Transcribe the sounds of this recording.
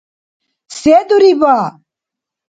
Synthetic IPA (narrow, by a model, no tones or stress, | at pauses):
seːd̪uɾibaː